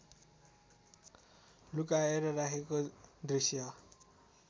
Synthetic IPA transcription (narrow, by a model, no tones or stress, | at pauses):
lukaeɾʌrakʰekod̪risjʌ